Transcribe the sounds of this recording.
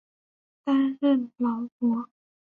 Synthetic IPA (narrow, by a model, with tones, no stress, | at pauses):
t̪a˥nɻə˥˩nlɑ˨˧˥ʊkwɔ˧˥˦